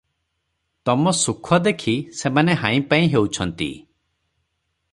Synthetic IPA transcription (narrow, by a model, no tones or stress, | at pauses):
t̪ɔmɔsukʰɔd̪ekʰisemaneɦãĩpaĩɦewt͡ʃʰɔnt̪ḭ